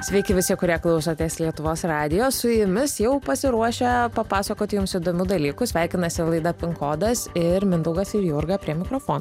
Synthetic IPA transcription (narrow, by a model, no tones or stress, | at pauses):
sʲʋʲɛɪkʲɪʋʲɪsʲɪɛkʊɾʲiɛklˠɐʊsoːt̪ʲeːslʲiɛt̪ʊʋoːsrɑːd̪ʲɪjoːsʊjɪmʲɪsjɛʊpɐsʲɪɾuɔʃʲɛpɐpɑːsɐkoːt̪ʲɪjʊmsid̪oːmʲuːd̪ɐlʲiːkʊsʲʋʲæˑɪkʲɪnɐsʲɪlˠɐɪd̪ɐpʲɪŋkoːd̪ɐsɪɾmʲɪnd̪ɐʊɡɐsɪɾjʊɾɡɐpʲɾʲiɛmʲɪkɾoːfoːn